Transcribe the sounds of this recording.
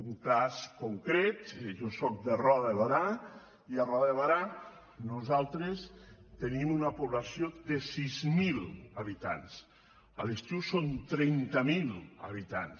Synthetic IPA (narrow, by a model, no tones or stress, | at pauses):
uŋkaskoŋkɾet̪ʒɔsɔk̚d̪erɔðəβaɾa | iarɔðeβaɾa | nuzalˠt̪ɾest̪enimunapuβlasijod̪esizmilaβit̪a̰ns | ə̰lest̪iwsont̪ɾɛnt̪amilˠa̰βit̪ans